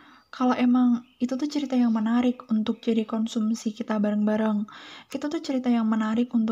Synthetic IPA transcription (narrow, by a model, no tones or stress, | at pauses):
kʰaloʔemaŋ | it̪ut̪uht͡ʃəɾit̪ajaŋmənaɾɪkunt̪ʊk̚d͡ʒadikɔnsumsikit̪abaɾaŋbaɾəŋʔit̪ut̪uht͡ʃəɾit̪ajaŋmənaɾɪkunt̪